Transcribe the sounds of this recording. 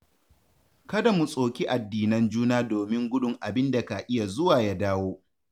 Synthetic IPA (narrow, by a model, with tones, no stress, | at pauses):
kɐ˦da˨mu˨sʼoː˨kʲi˦ʔa˨dːiː˨nɐ˦nd͡ʒuː˦naː˦doː˨mɪ˦ŋɡʷʊ˦dʊ˨ŋʔa˨bɪ˦nda˨ka˨ʔɪ˦ja˨zʊ˦waː˨ja˦daː˦woː˦